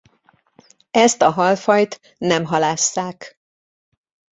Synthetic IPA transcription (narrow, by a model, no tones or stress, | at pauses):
ɛst̪ɒɦɒlfɒjt̪ | nɛmɦɒlaːsːaːk